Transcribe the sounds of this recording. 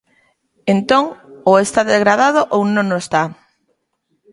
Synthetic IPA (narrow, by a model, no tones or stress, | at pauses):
ent̪oŋoest̪aðezɣɾað̞aðoʔownõnoest̪a